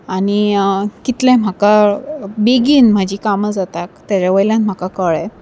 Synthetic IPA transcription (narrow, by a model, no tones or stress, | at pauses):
aɽ̃ikit̪lɛ̃m̤akabeɡiːnm̤ad͡ʑiːkaməd͡zat̪akt̪aɾaʋəjljãnm̤akakəɭɛ